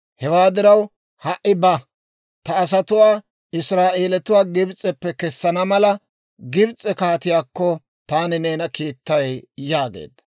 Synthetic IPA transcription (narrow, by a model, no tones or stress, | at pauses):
hɛwaːd̪ɪɾɐw | hɐʔːɪbɐ | t̪ɐːs̬ɐt̪ʊwaː | ɪsɾaːʔeːlɛt̪ʊwaːɡɪbt͡sʼːɛpːɛkɛsːɐnɐmɐlɐ | ɡɪbt͡sʼːɛkaːt̪ɪjaːkːɔ | t̪aːnɪne̞ːnɐkiːt̪ːɐjjjaːɡḛːd̪ːɐ̥